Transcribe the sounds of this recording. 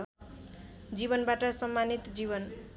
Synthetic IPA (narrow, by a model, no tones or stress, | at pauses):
d͡zibʌnbaʈʌsʌmːanit̪d͡ziβʌn